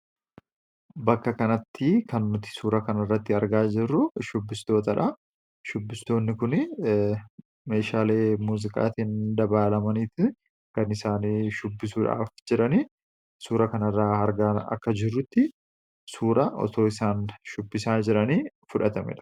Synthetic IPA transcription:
bɐkːɐkɐnɐt̪ːɪkɐnːʊt̪ɪ̥suːɾɐkɐnɐɪrːɐt̪ːɪɐɾɡaːd͡ʒɪrːʊʃʊbːɪst̪o̞ːt̪ɐᶑɐ | ʃʊbːɪst̪o̞ːnːɪkʊn | me̞ːʃaːle̞ːmuːzɪkʼa̰ːt̪ind̪ɐbaːlɐmɐniːt̪ɪ | kɐnɪsaːniʃʊbːɪsuːᶑa̰ːfd͡ʒɪɾɐniː | suːɾɐkɐnɐrːaːɐɾɡaɐ̰kːɐd͡ʒɪrːʊt̪ːɪ | suːɾʔɐɔ̰t̪o̞ːɪsaːnʃʊbːɪsaːd͡ʒɪɾɐniː | fʊᶑɐt̪ɐmɛ̰ᶑɐ̥

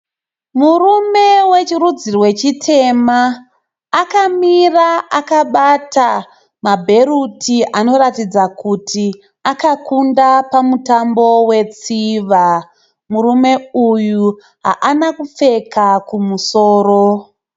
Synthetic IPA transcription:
murume̞we̞t͡ʃirud͡zirwe̞t͡ʃitʰe̞maː | kamiraakaɓata | mabʱe̞ɾutʰiano̞ɾatid͡zakutʰi | akakundapamutambo̞we̞t͡siʋa | murume̞uju | ɦa̰ʔanakup͡fe̞kakumusoːɾo

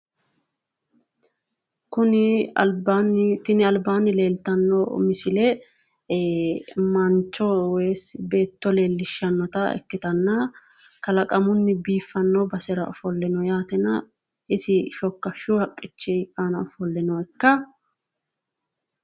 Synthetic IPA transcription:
kʊnɪɐ̰lbant̪ɪnɪɐlbaːnɪle̞ːlt̪ɐnːɔ̰mɪsɪlɛ | mɐnt͡ʃːɔwɛjsbe̞ːt̪ːɔle̞ːlːɪʃːɐnːɐt̪ɐɛ̰kːɪt̪ɐnːɐkɐlɐkʼɐmʊnːɪbiːfːɐnːɔbɐsɛɾɐɔfɔlːɛnɔjaːt̪ɛnɐʔɪsɪʃɔkːɐʃːʊhɐkʼːɪt͡ʃːɛkʼanɐɔfɔlːɛnɔɛkːɐ

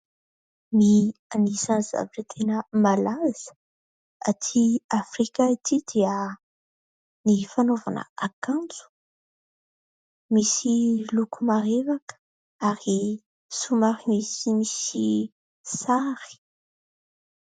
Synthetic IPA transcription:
mianisanza̰viʈ͡ʂət̪ʰenəmalaz̥ə̥ | at̪ʰiafrikait̪id̪iə | nifanova̰nə̰akãnt͡su̥ | misilukumaɾevakə̥ | aɾi | sumaɾimisimisi | saɾi̥

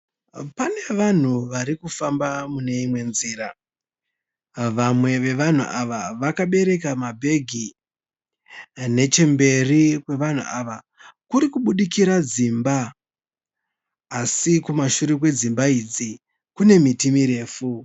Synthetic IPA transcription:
pane̞ʋan̤uʋaɾikufambamune̞imwe̞nziːɾa | ʋamwe̞ʋe̞ʋan̤ṵʔaʋaʋakaɓe̞ɾe̞k̬amabʱe̞ɡʱi | ne̞t͡ʃe̞mbe̞rikwe̞ʋan̤ṵʔaʋa | kuɾikuɓuɗikiɾad͡zimba | sikumaʃuɾik̬we̞d͡zimbaid͡zi | kune̞mitimiɾe̞ːfu

